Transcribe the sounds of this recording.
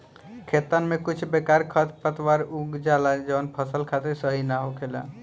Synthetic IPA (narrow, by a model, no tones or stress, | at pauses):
kʰet̪ənmekut͡ʃʰbekaɾkʰət̪ʰpət̪waɾuɡd͡ʒalad͡ʒənpʰəsəlkʰat̪eɾsəɦinaɦokʰela̰